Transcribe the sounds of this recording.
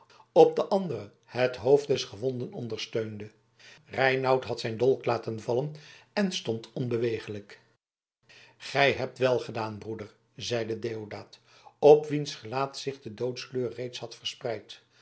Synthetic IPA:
ɔp̚dəʔɑndərə | hətɦowfdɛsχəʋɔndənɔndərstøɥndə | rɛjnɑwtɦɑtsɛjndɔlˠklaːtənvɑlənɛnstɔntɔnbəʋejχələk | χɛjɦɛp̚tʋɛlˠχədaːnbrudər | zɛjdədeːodaːt | ɔpʋinsχəlaːtsɪχdədowtskløːrːejtshɑtfəɹsprɛjt

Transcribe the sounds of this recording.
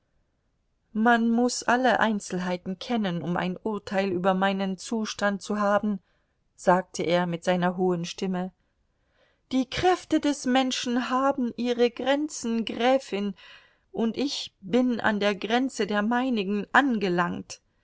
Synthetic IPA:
manmʊsʔaləʔa̰ɪnt͡sl̩ɦaɪtn̩kʰɛnənʊmʔa̰ɪnʔʊɐtʰaɪlyːbɐmaɪnənt͡suːʃtant̚t͡suɦaːbm̩ | z̥aːk̚tʰəʔeːɐmɪtz̥aɪnɐɦoːənʃtɪmə | d̥iːkʁ̥ɛftədɛsmɛnʃn̩ɦaːbm̩ʔiːʁəɡʁɛnt͡sn̩ɡʁɛːfɪn | ʔʊntʔɪçb̥ɪna̰ndeːɐɡʁɛnt͡sədeːɐmaɪnɪɡŋ̩ʔanɡəlaŋt

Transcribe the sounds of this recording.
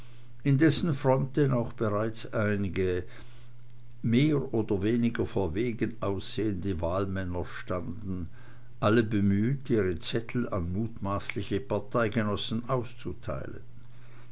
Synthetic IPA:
ʔɪndɛsn̩fʁ̥ɔnt̚d̥ɛnaʊxb̥əʁaɪt͡sʔaɪnɪɡə | meːʁʔoːdɐveːnɪɡɐfoːɐveːɡənʔaʊsz̥eːəndəvaːlmɛnɐʃtandn̩ | ʔaləbəmyːtiːʁət͡sɛtʰl̩a̰nmuːtmaːslɪçəpaɐtʰaɪɡənɔsn̩ʔaʊst͡sutʰa̰ɪlə̰n

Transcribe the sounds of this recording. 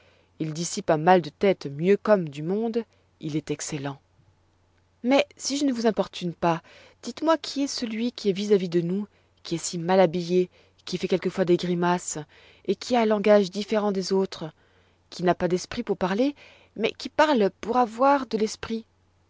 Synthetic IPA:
ild̪isipamald̪ət̪ɛt̪mjøkɔmd̪ymɔ̃d̪ | ilɛt̪ɛkselɑ̃ | mɛsiʒənəvuzɛ̃pɔʁt̪ynpa | d̪̥it̪mwakʲʰiɛsəlɥikʲiɛvizavid̪ənu | kʲiɛsimalabije | kʲifɛkʲɛlkəfwad̪eɡʁimas | ekʲʰiaɛ̃lɑ̃ɡaʒd̪ifeʁɑ̃d̪ezot̪χə | kʲinapad̪ɛspχipuʁpaʁle | mɛ̰kʲipaʁlpuʁavwaʁd̪əlɛspχi

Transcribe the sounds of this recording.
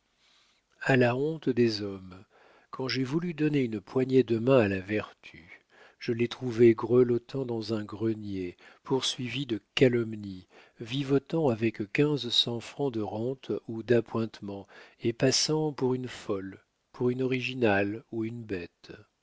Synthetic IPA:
alaɔ̃t̪d̪ezɔm | kʰɑ̃ʒɛvulyd̪ɔneynpwaɲed̪əmɛ̃alavɛʁt̪ʰy | ʒ̥əlet̪χuveɡʁəlɔt̪ʰɑ̃d̪ɑ̃zɛ̃ɡʁənjepʰuʁsɥivid̪əkalɔmni | vivɔt̪ɑ̃avɛkkʲɛ̃zsɑ̃fχɑ̃d̪əʁɑ̃t̪ud̪apwɛ̃t̪mɑ̃epasɑ̃puʁynfɔl | puʁynɔʁiʒinaluynbɛt̪

